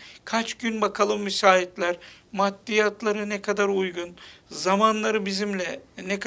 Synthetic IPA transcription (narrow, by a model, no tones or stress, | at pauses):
kʰat͡ʃɟynbakʰalˠɯmːisaːɦit̪lʲæɾmat̪ːijat̪ʰlˠaɾɯnɛkʰad̪aɾujɡunzamanlˠaɾɯbizimlʲɛnɛkʰ